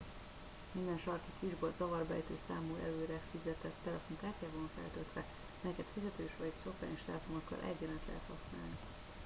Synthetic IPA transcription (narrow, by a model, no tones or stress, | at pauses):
mind̪ɛnʃɒrkikiʒbold̪zɒvɒrbɛ̰jt̪øːsaːmuːʔɛ̰løːɾɛfizɛt̪ɛt̪ːɛlɛfoŋkaːrt̪jaːvoːnfɛ̰lt̪ølt̪ʋɛ | mɛjɛkɛt̪fizɛt̪øːʃʋɒɟsokɛ̰niʃt̪ɛlɛfonokːɒ̰lʔɛ̰ɟːɛlɛnt̪lɛ̰ɦɛt̪hɒsna̰ːlni